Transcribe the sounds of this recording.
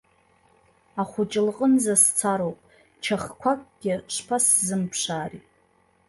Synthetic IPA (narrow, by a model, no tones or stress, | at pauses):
aχʷʊt͡ʃʼɪlqʼənzast͡sʰaɾowpʼ | t͡ʃʰaχkʷʰakʼɡ̥ʲɪʂpʰaszɨmpʰʂaːritʼ